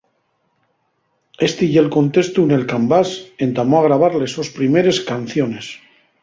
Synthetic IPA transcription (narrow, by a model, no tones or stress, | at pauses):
e̞st̪iʝelko̞nt̪est̪unelkambase̞nt̪amoaɣɾaβ̞aɾlesospɾime̞ɾe̞skan̟θjo̞ne̞s